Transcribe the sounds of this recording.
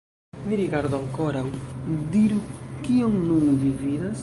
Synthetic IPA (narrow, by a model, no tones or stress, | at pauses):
d̪iɾiɣaɾðʊaŋkɔɾawd̪iɾukioŋnũmðiviðɐs